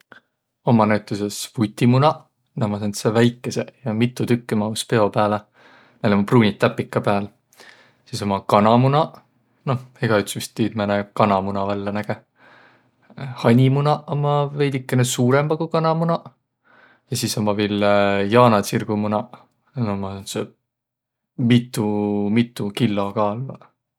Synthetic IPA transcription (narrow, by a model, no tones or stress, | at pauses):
o̞mɑnæwt̪ːˑuse̞svut̪ʲːimunɑ | næmɑsent̪sevæjkːˑese̞jɑmit̪ːˑut̪ykːimɑuspe̞o̞pæːle | næjlomupruːnʲit̪ːæpːikːˑɑpeæl | siso̞mɑkɑnɑmunɑ | no̞heɡ̥ɑyt̪smist̪ːiːd̪̥mænekɑnɑmunɑvælːɑnæɡ̥e̞ | hɑnʲimunɑʔomɑve̞jd̪ikːenesuːɾemb̥ɑɡ̥ukɑnɑmunɑ | jɑsisomɑviljɑːnɑt̪sirɡ̥umunɑ | nomɑnse | mit̪ːˑumit̪ːˑukilːokɑːlvɑ